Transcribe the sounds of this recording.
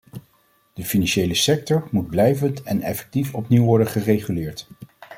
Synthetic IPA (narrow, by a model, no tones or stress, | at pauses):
d̥əfinɑnʃejləsɛk̚tɔɹmud̚blɛjvəntɛnɛ̰fɛ̥k̚tifɔpniwʋɔɹdənχərejχylɪːɹt